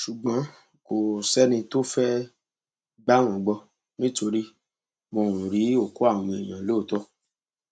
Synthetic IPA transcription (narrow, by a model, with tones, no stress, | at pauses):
ʃu˨ɡ͡bã˨˦ | ko˨sɛ˦nĩ˧to˦fɛ˦ | ɡ͡ba˦w̃ɔ̃˨ɡ͡bɔ˧ | nĩ˦to˧ɾi˦ | mõ˧˨ɾ̃ũ˨ɾi˨˦o˦˨ko˦a˦˨w̃ũ˧e˨j̃ã˨loː˦˨tɔ˦